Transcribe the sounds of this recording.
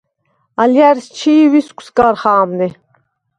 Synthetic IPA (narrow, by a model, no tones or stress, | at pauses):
aljæɾst͡ʃʰiviskʰʷsɡaɾχaːmni